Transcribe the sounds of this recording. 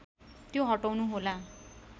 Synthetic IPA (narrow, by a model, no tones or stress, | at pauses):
t̪joɦʌʈawnuɦola